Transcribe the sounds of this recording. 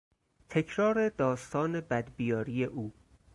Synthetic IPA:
t̪ʰe̞cʰɾɒːɾe̞d̪ɒːst̪ʰɒːne̞bæd̪bijɒːɾijeʔuː

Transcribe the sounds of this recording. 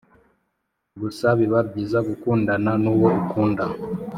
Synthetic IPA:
βusaβiβab̚ɟiːzaɡukuːndananuːwoʔukuːnda

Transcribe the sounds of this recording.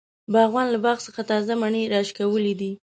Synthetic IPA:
baɣwɑnlabɑxsəxat̪ɑzamaɳeɾɑʃkawəlid̪i

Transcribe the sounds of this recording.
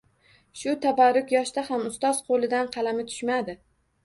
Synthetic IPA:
ʃʊt̪ʰabaɾʊkʲjɒʃt̪ahamʊst̪ɒz̥qʰolˠɪd̪anqʰɑlamɪt̪ʰʊ̥ʃmad̪ɪ

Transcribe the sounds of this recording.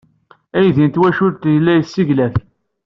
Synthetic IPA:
æjðint̪wæʃʊɾt̪jəlːæjəsːiʝlæθ

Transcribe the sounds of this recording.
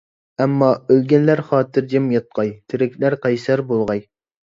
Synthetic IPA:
ɛmːɑølɡʲɛnlæɾχɑːt̪ʰɨɾd͡ʒɛmjɑt̪̚qɑjt̪ʰɪɾɪkʲʰlæɾqʰɑjsæɾbolˠʁɑj

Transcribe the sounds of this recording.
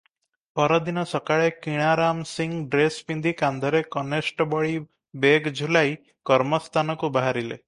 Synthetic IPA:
pɔɾɔd̪inɔsɔkaɭekiɽ̃aɾamsiŋɡɖɾespind̪ʱikand̪ʱɔɾekɔnesʈɔbɔɭi | beɡd͡ʒulaj | kɔɾmɔst̪ʰanɔkubaɦaɾile

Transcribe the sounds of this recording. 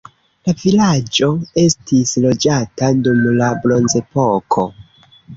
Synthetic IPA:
lavilad͡ʒo̞e̞stislo̞d͡ʒatadumlablo̞nze̞po̞kʰo̞

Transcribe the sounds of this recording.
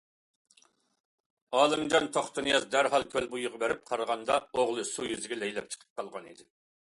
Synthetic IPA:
ɑːlˠɨŋd͡ʒɑnt̪ʰoχt̪ɨnɨjɑzd̪æɾɦɑlˠkʲʰølbujʊʁɑbeɾɪp̚qʰɑɾʁɑnd̪ɑoʁlˠɨsujyzɪɡʲɛlɛjlɛp̚t͡ʃʰə̥qʰə̥p̚qɑlˠʁɑnid̪ɪ

